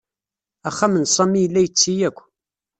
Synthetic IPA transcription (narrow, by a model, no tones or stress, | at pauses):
æχːamənsˤɑmːijəlːæjət͡sːijækʷː